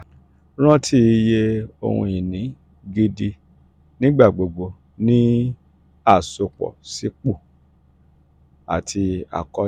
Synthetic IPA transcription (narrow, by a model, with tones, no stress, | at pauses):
ɾ̃ã˦tʰi˦˧je˦o̰˧hṵ̃˧i˨nĩ˨˦ | ɡe˧di˧ | nĩ˦ɡ͡ba˦˨ɡ͡bo˨ɡ͡bo˧ | nĩ˦ | a˦˨so˧k͡pɔ̰˨si˨˦k͡po˦˨ | a̰˨tʰi˧a̰˨kɔ˧